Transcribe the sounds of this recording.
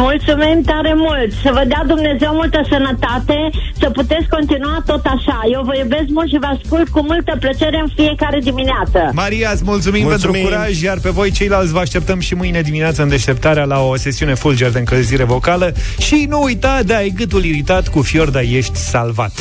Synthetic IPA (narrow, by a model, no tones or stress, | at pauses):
mult̪sumimt̪aɾe̞mult̪səvəd̪ead̪umne̞zewmult̪əsənət̪at̪e̞səput̪e̞t̪sko̞nt̪inuat̪o̞t̪aʃajewvəjube̞skmult̪ʃivəaskult̪kumult̪əplət͡ʃe̞ɾe̞ɨnfiekaɾe̞d̪imineat̪səmaɾiat̪smult̪sumimpe̞nɾuuɾaʒʲjarpe̞vo̞jt͡ʃe̞jlalt̪sʲvəaʃt̪e̞p̚t̪əmʃimɨjned̪imineat̪səɨnd̪e̞ʃt̪e̞p̚t̪aɾealaose̞siune̞fuld͡ʒerd̪eɨŋkəlziɾe̞vo̞kaləʃinuːjt̪ad̪eajeɡɨt̪uliɾit̪at̪kufjo̞rd̪aje̞ʃt̪ʲsa̰lva̰t̪